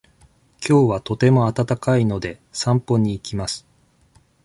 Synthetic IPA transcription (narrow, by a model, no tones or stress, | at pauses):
kʲo̞ːβat̪o̞t̪e̞mo̞at̪at̪akaino̞d̪e̞sãmpo̞ɲ̟iːkʲimasɨ̥